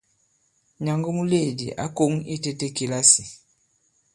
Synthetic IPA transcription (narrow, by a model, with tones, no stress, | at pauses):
ɲa˨ŋɡɔ˦mu˦le˦˨dḭ˨ʔa̰˦ko˦ŋe˦te˦te˦ki˨la˦si˨